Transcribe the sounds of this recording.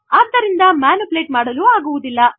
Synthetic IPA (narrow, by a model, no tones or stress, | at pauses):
aːd̪ːɐɾind̪ɐmaːnupleːʈmaːɽɐluːaːɡuʋud̪ilːɐ